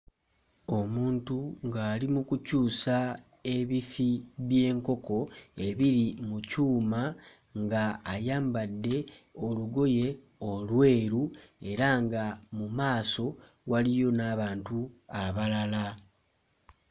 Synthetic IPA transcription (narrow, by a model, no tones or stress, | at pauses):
o̞muːntuŋɡaːlimukucuːsa | e̞βifiβje̞ːŋko̞ko̞e̞βiɾimucuːma | ŋɡaːjaːmbadːe̞o̞luɡo̞je̞ | o̞lwe̞ːɾue̞ɾaŋɡamumaːso̞ | walijo̞naːβaːntuaβalala